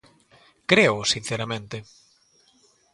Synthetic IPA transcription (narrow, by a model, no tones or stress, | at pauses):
kɾeʊsin̟θeɾamẽnt̪ɪ